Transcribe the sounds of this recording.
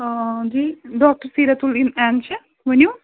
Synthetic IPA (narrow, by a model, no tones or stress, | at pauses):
d͡ʒiːɖɔːk̚ʈəɾsiɾɐt̪ulinɛnt͡ʃʰɐ | ʋənju